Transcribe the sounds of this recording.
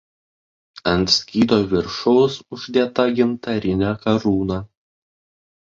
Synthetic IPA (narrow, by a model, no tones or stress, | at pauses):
ɐnt̪sʲkʲiːd̪oːʋʲɪɾʃʊsʊʒʲd̪ʲeɛt̪ɐɡʲɪmt̪ɐɾʲɪnʲækɐɾuːnɑː